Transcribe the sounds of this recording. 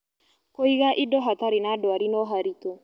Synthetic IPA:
koiɣaʔidɔɦataɾenaːdwaɾinɔɦaɾito

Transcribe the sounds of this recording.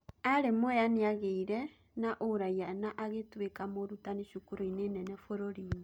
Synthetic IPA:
aɾemwɔjaneaɣeiɾɛ | naʔoɾaianaʔaɣetwekamoɾutaneʃukuɾoinenɛnɛfoɾoɾiːmɲe

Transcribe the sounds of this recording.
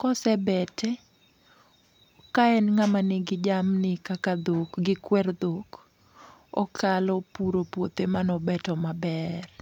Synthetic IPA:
kɔsɛbɛtɛ | kaɛnŋamanɪɡɪd͡ʒamnɪkakad̪okɡɪkwɛrd̪ok | ɔkʰalɔpuɾopwot̪emanɔbɛtɔmabɛr

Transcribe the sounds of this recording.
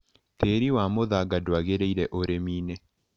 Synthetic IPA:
teɾiwamoðaɡadwaɣeɾeiɾɛʔoɾemiːne

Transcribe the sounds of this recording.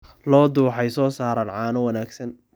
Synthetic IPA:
lɔːd̪uːħɛjsɔːsaːɾaːnʕɑːnɔwɐnaːɡsɐn

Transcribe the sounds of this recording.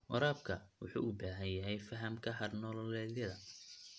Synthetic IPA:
wɑ̰ɾaːb̚kʰɐ | wʊ̰ħṵːʔʊbaːɦɐnjɐɦɛjfɐɦɐmkʰɐhɐrnɔːlɔlɛːðjɐðɐ

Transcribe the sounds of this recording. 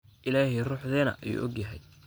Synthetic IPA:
ʔɪlaːɦiruːħðɛːnɐ̰ʔɐjṵːʔɔɡjɐɦɛj

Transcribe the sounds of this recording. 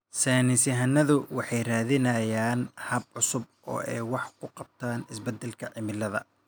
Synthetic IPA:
sɛːnɪsɐɦɐnːɐðʊwɑħɑjraːðɪnɐjaːnhɐb̚ʕʊsʊb̚ʔɔ̰ːʔɛ̰jwɑħkʰʊqɑb̚t̪ʰaːnɪsbɛd̪ːɛlkʰɐʕɪmɪlːɐðɐ̰

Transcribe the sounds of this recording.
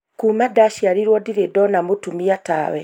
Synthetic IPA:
kuːmadaʃjaɾiɾwɔdiɾedɔnamotumiata̰ːwɛ

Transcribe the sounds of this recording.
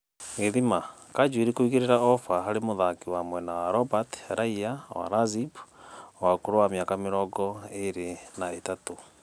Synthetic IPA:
ɣeðimakad͡ʒwiɾikoiɣeɾeɾaɔfaɦaɾemoðakiwamwɛnawaɾɔbatɾaiawa̰ɾazibwakoɾowamjakameɾɔɡɔeɾenaetato

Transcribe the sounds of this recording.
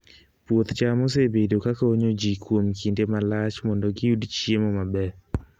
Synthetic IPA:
pwot̪t͡ʃamos̬ebedokakaoɲod͡ʒikwomkindemalat͡ʃmɔndɔɡɪudt͡ʃjemɔmabɛ

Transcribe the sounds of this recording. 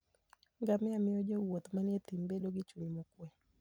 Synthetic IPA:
ŋɡamɛamɪod͡ʒowot̪manjet̪imbedoɡɪt͡ʃuɲmɔkwɛ

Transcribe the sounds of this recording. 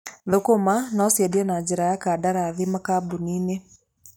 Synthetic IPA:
ðokomanɔsjɛdiɔnad͡ʒiɾajakadaɾaːðimakabunine

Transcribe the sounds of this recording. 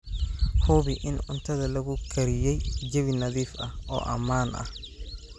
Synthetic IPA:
huːβɪʔɪnʊnt̪ʰɐðɐlɐɣʊkʰɐɾɪjɛjd͡ʒɐβɪnɐðiːfɐhɔ̰ːʔɐmaːnɐ̰h

